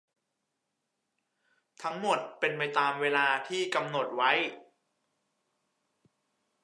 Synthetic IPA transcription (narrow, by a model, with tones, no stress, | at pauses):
t̪ʰa˦˥ŋmo˨˩t̪̚pe˧npa˧jt̪aː˧mweː˧laː˧t̪ʰiː˥˩ka˧mno˨˩t̪̚wa˦˥j